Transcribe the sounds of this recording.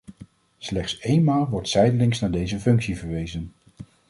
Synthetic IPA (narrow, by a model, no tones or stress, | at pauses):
slɛχtsejnmaːlˠʋɔɹtsɛjdəlɪŋsnaːɹdejzəfɵŋksivəɹʋejzən